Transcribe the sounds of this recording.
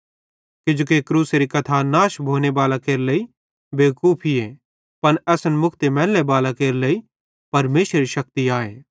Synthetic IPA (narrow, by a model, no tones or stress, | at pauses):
kɪd͡ʒoːkekɾuːseɾikɐt̪ʰanaːʃbʱoːnebaːlakeːɾlei | beːkuːpʰie | pɐnɛːsənmʊkʰt̪emɛːlːebaːlakeːɾləi | pɐɾmeːʃɾeɾiʃɐk̚t̪iaːḛː